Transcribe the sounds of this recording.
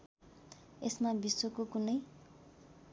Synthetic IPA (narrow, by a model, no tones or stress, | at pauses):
esmabisokokunʌj